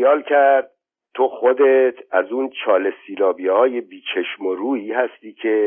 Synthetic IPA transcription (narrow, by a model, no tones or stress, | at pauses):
jɒːlcʰæɾd̪̚ | t̪ʰoxod̪et̪ʰæzuːnt͡ʃʰɒːlesiːlɒːbihɒːjebiːt͡ʃʰeʃmoɾuːiːɦæst̪iːcʰe